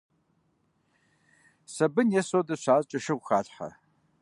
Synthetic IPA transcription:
sɐbɨnjɛsodɐɕʷaːzt͡ʃʼɐʃɨʁʷxaːɬħa̰

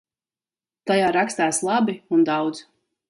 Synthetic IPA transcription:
t̪ajaːɾakst̪aːslˠabiund̪awd̪z̥

